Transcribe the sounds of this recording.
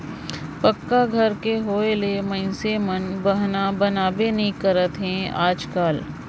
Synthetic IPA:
pɐkːaɡʱɐɾkeɦoːelemɐ̃ɪ̃semɐnbɐɦnabɐnaːbenɐɦĩkɐɾət̪ɦɛ̃ːaːd͡ʒkaːl

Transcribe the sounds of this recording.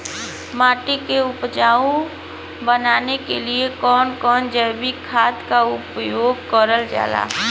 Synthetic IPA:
maːʈikeʊpd͡ʒaːũ | bənaːnekeliekɔːnkɔːnd͡ʒəːbikʰaːt̪kaʊpjoːɡkɔɾəld͡ʒa̰ːla̰ː

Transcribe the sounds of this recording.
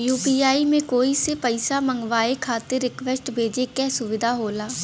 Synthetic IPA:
juːpiːaːimẽːkoːiːsepəɪsaːməŋɡʋaːekʰaːt̪eɾːɪkʋɛsʈbʱeːd͡ʒeːkɛːsʊʋɪd̪ʱaːɦoːlaː

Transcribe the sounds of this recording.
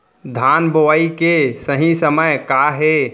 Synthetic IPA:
d̪ʱanboʋaikesəɦĩsəməjkaɦe

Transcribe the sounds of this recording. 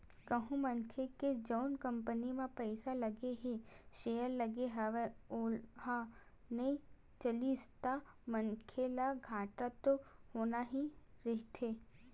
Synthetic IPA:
kɐɦũmɐŋkʰeked͡ʒəːnkɐ̃mpənimãpɛɪsalɐɡeɦeʃeːjəɾlɐɡeɦɐʋeolɦa | nɐĩ | t͡ʃɐlist̪a | mɐŋkʰelaɡʱaːʈat̪ohoːnaɦiɾɪɦt̪ʰeː

